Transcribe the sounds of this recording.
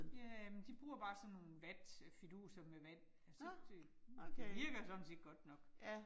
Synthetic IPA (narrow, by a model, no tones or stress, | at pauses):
jææmend̥ib̥ʁuːɐb̥ɑ̈ːsɒ̽nːo̝ːn̩ʋæd̥fid̥ṵːsɐmeʋæn̰ | ælsɒd̥e̝ | deʋiɐɡ̥ɐsɒd̥n̩se̝̰ːd̥ɡ̥ɒ̽d̥nɒ̽ɡ̥